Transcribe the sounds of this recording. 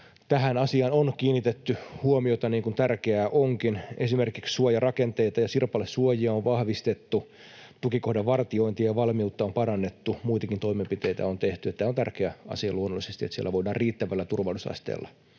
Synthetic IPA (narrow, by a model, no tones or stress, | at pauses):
t̪æhænɑsiɑnonkiːnːit̪et̪ːyhuomiot̪ɑniːŋkunt̪ærkeæʔoŋkinesimerkikssuojɑrɑkent̪eit̪ɑjɑsirpɑlːessuojiɑoʋʋɑhʋist̪et̪ːu | t̪ukikohdɑʋʋɑrt̪ioint̪iɑjɑʋɑlmiut̪ːɑompɑɾɑnːet̪ːumuit̪ɑkint̪o̞imempit̪eit̪æ̰ont̪eht̪yet̪ːæːont̪ærkeæɑ̰siɑluonːolːˑisest̪iet̪siḛlːæʋoidˑɑːrriːt̪ːæʋælːæt̪urʋɑlusɑ̰st̪ḛːlːɑ̰